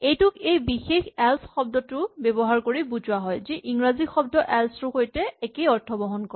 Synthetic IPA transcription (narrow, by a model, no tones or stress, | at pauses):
ejtʊkejbixexɛlsxɔb̚dɔtʊbebɔɦaɹkoɹibuzʊwaɦɔjziʔiŋɹazixɔb̚dɔʔɛlsʊxojtɛɛkejɔɹtʰɔbɔɦɔnkɔ